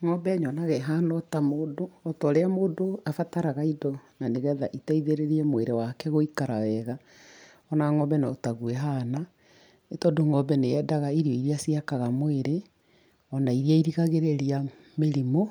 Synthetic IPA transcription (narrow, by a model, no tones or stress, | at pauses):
ŋɔbɛɲɔnaɣɛɦanɔtamoːdoɔtɔːɾeamoːdoafataɾaɣaidɔnaneɣɛðaʔitaiðeɾeɾiɛmweɾewakɛɣoikaɾawɛɣa | ɔnaŋɔbɛnaotaɣuɛɦana | etɔdoŋɔbɛneɛdaɣaiɾiɔiɾiasiakaɣamoeɾe | ɔnaiɾiaiɾiɣaɣeɾeɾia | meɾimo